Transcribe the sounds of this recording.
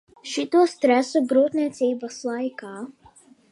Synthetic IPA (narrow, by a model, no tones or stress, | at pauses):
ʃit̪ust̪ɾæsuɡɾuːt̪nʲiɛt̪siːbaslˠajkaː